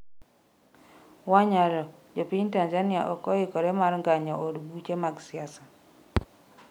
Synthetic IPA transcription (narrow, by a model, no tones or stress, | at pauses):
waɲaɾɔd͡ʒopintanzania̰ʔɔkɔikɔɾemaɾŋɡaɲɔodbut͡ʃemaɡsiasa